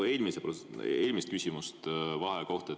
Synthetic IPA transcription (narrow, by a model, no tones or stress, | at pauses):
e̞ːlmisepoeːlʲmist̪̚kysʲimust̪vɑɦeko̞ht̪e